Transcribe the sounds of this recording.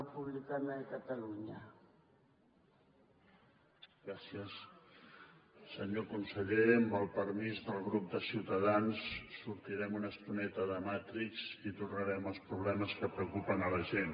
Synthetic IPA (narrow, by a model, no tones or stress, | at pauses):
əpuβlikanəəkət̪əluɲə | ɡɾasiəs | əɲokunsəʎeəmbəlˠpəɾmizðəlˠɣɾup̚d̪əsiwt̪əð̞ansːuɾt̪iɾɛmunəst̪unɛt̪əðəmat̪ɾikzit̪urnəɾɛməlˠspɾuβ̞lɛməskəpɾəukupənələʒen